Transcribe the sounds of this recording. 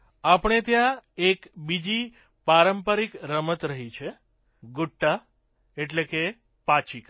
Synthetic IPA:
apəɳ̃et̪jãekbid͡ʒi | paɾəmpəɾikɾəmət̪ɾəɦit͡ʃʰe | ɡuʈːa | eʈleke | pat͡ʃik

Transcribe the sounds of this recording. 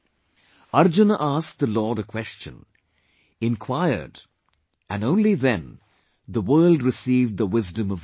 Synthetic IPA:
ʌɾd͡ʒɨnəʔæsk̚ðəlɔːɾəkʰw̥ɛst͡ʃɨ̰̃n | ɪ̃nkʰw̥aɪə̰˞d | ɨ̃nõʊ̃nliðɨ̃n | ðəwɜ˞lˠdɹɨsiːvd̪̚ðəwɪzdɨ̃mʌv

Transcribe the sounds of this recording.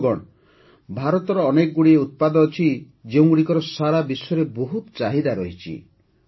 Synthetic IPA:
ɡɔɽ | bʱaɾɔt̪ɔɾɔːnekɔɡuɽieut̪̚pad̪ɔːt͡ʃʰi | d͡ʒeũɡuɽikɔɾɔsaɾabisjɔɾeboɦut̪t͡ʃaɦid̪aɾɔɦit͡ʃʰḭ

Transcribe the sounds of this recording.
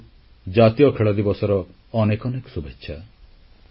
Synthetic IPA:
d͡ʒat̪ijɔkʰeɭɔd̪ibɔsɔɾɔ | ɔnekɔnekɔsubetːʃʰa

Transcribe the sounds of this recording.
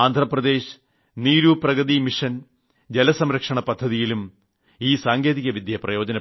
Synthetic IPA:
aːnd̪ʱrɐprɐd̪eːɕ | niːɾuprɐɣɐðimiʂɐn | d͡ʑelɐsɐmɾɐkʂɐɳɐpɐd̪ʱːɐðijilum | iːsaːŋɡeːðiɣɐʋid̪jɐprɐjo̞ːd͡ʑɐnɐ

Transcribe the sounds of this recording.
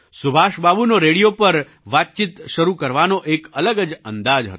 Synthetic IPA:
sʊbʱaʃbabunoɾeɽijopəɾ | ʋat̪̚t͡ʃit̪ʃəɾukəɾʋanoʔekələɡəd͡ʒənd̪ad͡ʒɦə̰t̪

